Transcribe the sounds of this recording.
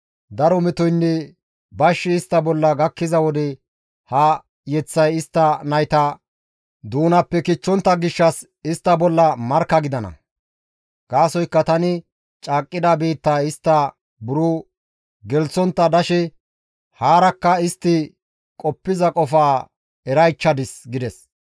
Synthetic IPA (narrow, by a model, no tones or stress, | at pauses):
d̪ɐɾɔmɛt̪ɔjnːɛ | bɐʃːɪːst̪ːɐbɔlːɐɡɐkːɪzɐwɔd̪ɛ | hɐ | jɛt͡sːɐjɪst̪ːɐnɐjt̪ɐ | d̪uːnɐpːɛkɪt͡ʃːɔnt̪ːɐɡɪʃːɐs | ɪst̪ːɐbɔlːɐmɐɾkːɐɡɪd̪ɐnɐ̰ | ɡ̥aːsɔjkːɐt̪ɐnɪ | t͡ʃʼaːkʼːɪd̪ɐbiːt̪ːɐɪst̪ːɐ | bʊɾʊ | ɡɛlt͡sːɔnt̪ːɐd̪ɐʃɛ | haːɾɐkːɐɪst̪ːɪ | kʼɔpːɪzɐkʼɔfaː | ɛɾɐjt͡ʃːɐd̪ɪsɡɪd̪ɛs